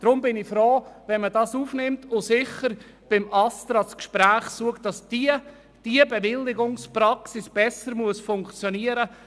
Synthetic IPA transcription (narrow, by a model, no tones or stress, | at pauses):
d̥ɾʊmbɪnɪfɾoːvɛnmədɑsuːfnɪmtʰʊsɪχəɾ | b̥ɪmɑstɾɑt͡skʃpɾæːχsuəktd̥ɑsdi | d̥iəbɛvɪlːɪɡʊŋsprɑksɪsb̥ɛsəɾmuəsfʊŋkt͡sjɔniːəɾə